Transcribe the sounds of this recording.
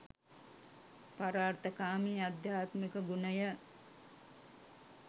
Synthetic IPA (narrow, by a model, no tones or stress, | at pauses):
paɾaːrt̪əkaːmiːad̪jaːt̪mikəɡunəjə